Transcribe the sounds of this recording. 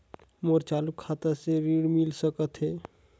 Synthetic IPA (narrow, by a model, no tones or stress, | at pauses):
moɾt͡ʃaːlukʰːaːt̪aseɾiːɽmɪlsəkət̪ɦɛː